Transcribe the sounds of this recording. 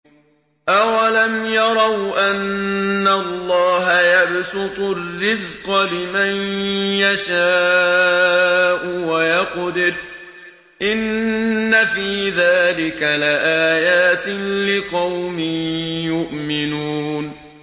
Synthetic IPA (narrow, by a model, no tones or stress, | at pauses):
ʔawalamjɑɾˤɑwʔanːalːɑːɦajabsʊt̪ˤʊrːɪzqɑlɪmanjaʃaː | ʔʊwajɑqd̪ɪɾ | ʔɪnːafiːðaːlɪkalɪʔaːjaːt̪ɪlɪqɑwmɪnjʊʔmɪnuːn